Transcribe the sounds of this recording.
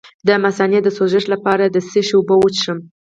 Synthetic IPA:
d̪əmasɑnjat̪̚d̪əsoʒəʃlapɑɾad̪əsəʃʊbəwət͡ʃʂəm

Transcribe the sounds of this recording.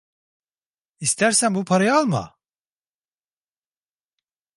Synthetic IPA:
ist̪ʰæɾsænbupʰaɾajalˠma̰

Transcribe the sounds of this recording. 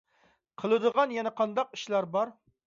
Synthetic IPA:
qʰəlˠɨd̪əʁɑnjɛnɛqʰɑnd̪ɑq̚iʃlˠɑɾbɑɾ

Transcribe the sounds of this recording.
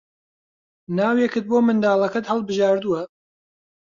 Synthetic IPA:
naːwjɛkɨt̪̚boːmɨnd̪aːlˠɐkɐt̪hɐlˠbɨʒaːɾd̪uwɐ

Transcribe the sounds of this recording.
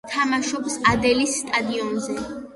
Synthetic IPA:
t̪ʰamaʃɔpsad̪ɛlisːt̪ʼad̪iɔnzɛ

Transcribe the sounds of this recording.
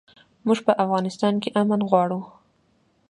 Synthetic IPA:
muʒpəʔafɣɑnɪst̪ɑnkeʔamənɣwɑɽu

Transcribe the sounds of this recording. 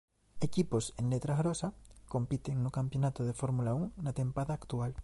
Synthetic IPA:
e̞kipo̞senlet̪ɾaɣɾosako̞mpit̪e̞ŋnukampjo̞nat̪oð̞efo̞ɾmulauŋnat̪e̞mpaðaːkt̪ual

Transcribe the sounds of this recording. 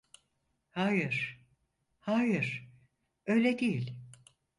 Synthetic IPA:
haːjɯ̥ | haːjɯɾ̥ | øjlʲed̪ijilʲ

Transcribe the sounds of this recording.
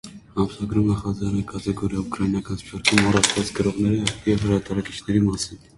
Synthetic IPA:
ɑmsɑɡɾumɛχɑzɑɾɛkɑt̪ɛɡɔɾjɑukɾɑjinɑkɑnspʰɔɾkʰumɑrɑt͡ʃʰvɑt͡skəɾɔʁnɛɾijɛvhəɾɑt̪ɑɾɑki̥t͡ʃʰnɛɾimɑsin

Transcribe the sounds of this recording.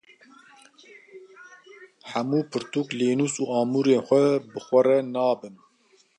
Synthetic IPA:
ħæmuːpʰɨɾt̪uːkleːnuːsuːɑːmuːɾeːnxʷɛbɨxʷɛrɛnɑːbɨn

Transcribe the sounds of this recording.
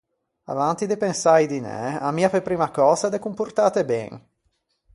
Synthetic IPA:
a̰vant̪id̪epensajd̪inɛ̰amiːapepɾiːmakɔːzad̪ɛkːumpurt̪aːt̪ebɛ̰ŋ

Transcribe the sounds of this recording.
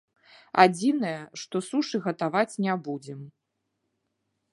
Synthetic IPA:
a̰d͡zʲinɐjɐʂt̪ɔsuʂɨɣɐt̪avat͡sʲnʲɛbud͡zʲɛm

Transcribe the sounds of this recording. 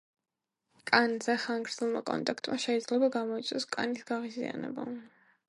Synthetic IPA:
kʼanzɛχaŋɡɾd̪zɛlˠmakʼɔ̰nt̪ʼakʰt̪ʼmaʃɛid̪zlɛbaɡamɔit̪sʼɔskʼanisɡaʁizḭa̰nɛ̰ba̰

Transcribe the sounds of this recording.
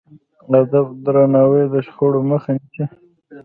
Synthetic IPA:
ad̪abd̪ɾanɑwed̪əʃxoɽoməxanise

